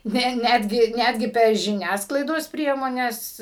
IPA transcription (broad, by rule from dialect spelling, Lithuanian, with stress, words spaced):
ˈnʲɛ ˈnʲæːdʲɡʲɪ ˈnʲæːdʲɡʲɪ pʲɛr ʒʲɪˈnʲæːsklˠɐɪdoːs ˈpʲrʲiɛmoːnʲɛs